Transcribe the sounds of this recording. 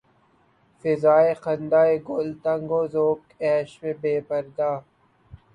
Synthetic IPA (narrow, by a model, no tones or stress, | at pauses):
fɪzaːeqɐnd̪aːeɡolt̪ɐ̃ŋɡoːzoːkɛːʃmẽbeːpɐɾd̪aː